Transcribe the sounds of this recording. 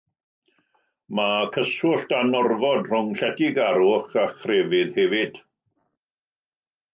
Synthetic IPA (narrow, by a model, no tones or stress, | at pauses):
makʰəsʊɬtanɔrvɔdr̥ʊŋɬɛdɪɡaɾʊχaχrɛːvɪðhɛvɪd̥